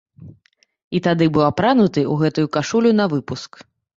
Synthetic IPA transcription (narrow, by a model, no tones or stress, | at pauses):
it̪ad̪ɨbɨwɐpɾanut̪ɨuɣɛt̪ujukaʂulʲunɐvɨpusk